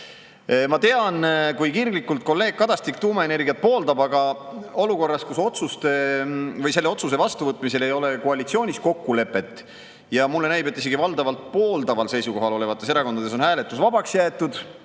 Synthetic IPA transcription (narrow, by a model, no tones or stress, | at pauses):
mɑt̪e̞ɑnkujkiːrɡlikːult̪̚ko̞lːe̞ːɡ̥̚kɑd̪̥ɑst̪ik̚t̪uːmɑe̞ne̞rɡiɑt̪̚po̞ːld̪ɑbɑɡɑo̞luko̞rːɑskuso̞t̪sust̪evɤjse̞lːeo̞t̪sus̬e̞vɑst̪uvɤt̪ːˑmise̞le̞jo̞le̞koɑlit̪sio̞ːnʲisko̞kːule̞pːˑe̞t̪ːˑ | jɑmulːe̞næjbe̞t̪ːis̬e̞ɡ̥ivɑld̪ɑvɑlt̪̚po̞ːld̪ɑvɑlse̞jsuko̞ɦɑlo̞le̞vɑt̪ːˑes̬eɾɑko̞nd̪ɑd̪e̞s̬o̞nhæːle̞t̪ːˑusvɑbɑksjæːt̪ːˑud̪̥